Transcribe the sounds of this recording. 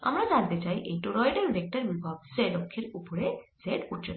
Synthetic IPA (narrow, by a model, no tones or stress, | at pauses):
a̰mɾad͡ʒaɾt̪et͡ʃajʔejʈoɾɔjɖeɾbek̚ʈaɾbibʱab̚selokʰːeɾupɔɾezeɖuʈ̚ʰt͡ʃʰɔ